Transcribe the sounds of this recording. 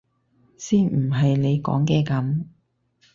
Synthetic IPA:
siː˥nmm̩˨˩ɦɐ˨jle˨˧jkɔ̰ː˨˥ŋkɛː˧kɐ˨˥m

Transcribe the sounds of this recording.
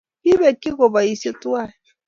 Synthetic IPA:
i˦βe˨ki˦ɣo˨ba˨i˨se˦tu˦a˦˨

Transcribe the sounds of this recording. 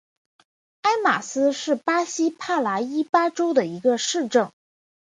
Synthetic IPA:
a˥ɪma̰˨˩sɹ̩˥ʂɻ̩˥˩pa˥ɕi˥pʰa˥˩la˧˥i˥pa˥ʈ͡ʂo˥ʊd̪ə˨i˧˥ɡə˧ʂɻ̩˥˧ʈ͡ʂɤ˥˩ŋ

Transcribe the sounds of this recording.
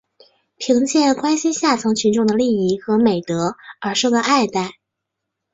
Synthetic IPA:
pʰi˧˥ŋt͡ɕjɛ˥˩kwa˥nɕi˥nɕja˥˩t͡sʰɤ˧˥ŋt͡ɕʰy˧˥nʈ͡ʂʊ˥˩ŋd̪ə˩li˥˧i˥˩xɤ˧˥me˨˩ɪt̪ɤ˧˥ə˞˧˥ʂo˥˩ʊə˧ʔa˥˧ɪt̪a˥˩ɪ

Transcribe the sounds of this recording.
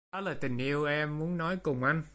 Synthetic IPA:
ɔ˨˦laː˨˩t̪ï˨˩ŋ̟ʔi˧əwʔɛ˧mːu˨˦ənːɔ˨˦jkʊ˨˩ŋ͡mʔa˧n

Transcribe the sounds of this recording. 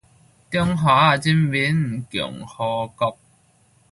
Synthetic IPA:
t̪i˥ŋɦaː˨˦˨t͡ɕi˧˥mwi˨˥n̩˨˩kjʊ̰˨˩ŋhɔː˧kɔ˧˥k̚

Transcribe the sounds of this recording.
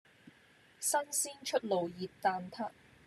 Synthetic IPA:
sɐ˥nsiː˥nt͡ʃʰɵ˥t̚lo˨˩wjiː˨˩p̚t̪aː˧nt̪ʰaː˥

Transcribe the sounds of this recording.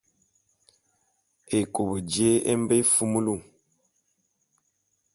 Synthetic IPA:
e˨ko˨bə˨d͡ʒe˦e˦m˦be˦fu˦mu˦lu˦˨

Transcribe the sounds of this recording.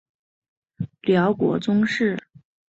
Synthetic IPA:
ljɑ˧˥ʊkwɔ̰˧˥t͡sʊ˥ŋʂɻ̩˥˩

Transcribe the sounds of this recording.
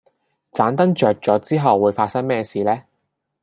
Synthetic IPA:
t͡saː˨˥nt̪ɐ˥ŋt͡ʃœː˨k̚t͡sɔː˨˥t͡siː˥ɦɐ˨wːuː˨˧jfaː˧t̚sɐ˥ŋmɛː˥siː˨˧lɛː˥

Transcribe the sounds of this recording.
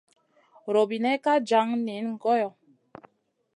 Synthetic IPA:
ɾo˨bi˨nɛ˦ka˦d͡ʒa˨˦ŋ˦ne˨˦nŋ̩˨kɔ˦jɔ˨

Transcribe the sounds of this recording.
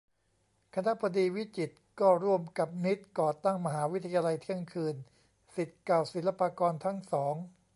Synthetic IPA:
kʰa˧na˦˥bʰa˧diː˧wi˦˥t͡ɕi˨˩t̪̚kɔː˥˩ɾu˥˩əmka˨˩p̚ni˦˥t̪̚kɔː˨˩t̪a˥˩ŋma˧ɦaː˩˦wi˦˥t̪ʰa˧jaː˧la˧jt̪ʰi˦˥˩əŋkʰɯː˧n | si˨˩t̪̚klaː˨˩wsi˨˩˦nla˧paː˧kɔː˧nt̪ʰa˦˥ŋsɔː˩˦ŋ

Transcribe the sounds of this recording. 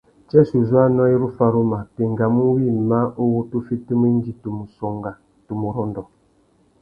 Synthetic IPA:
t͡ʃɛ˦su˨zu˦a˦nɔ˦i˦ɾu˦fa˨ɾu˦ma˨pi˨ŋɡa˨mu˦wi˦˨ma˦ʔo˦wu˦tu˦fi˦tu˦mi˦n˦d͡ʒi˨tu˨mu˨sɔ˨ŋɡa˨ | tu˨mu˨ɾɔ˦ndɔ˨

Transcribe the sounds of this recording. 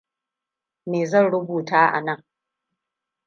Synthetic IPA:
meː˨zɐ˦˨nɽʊ˦buː˨taː˦ʔa̰˨nɐ˦˨ŋ

